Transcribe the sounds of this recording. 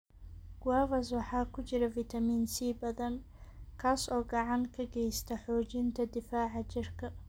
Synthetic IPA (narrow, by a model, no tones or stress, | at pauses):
ɡ̥wɑːvɐs̬wɑħɑːkʰʊt͡ʃɪɾɐfit̪ʰɐmiːnsiːbɐðɐn | kʰaːsɔːɡɑʕɑŋkʰɐɡɛjst̪ʰɐħɔːt͡ʃɪnt̪ʰɐd̪ɪfaːʕɑt͡ʃɪrkʰɐ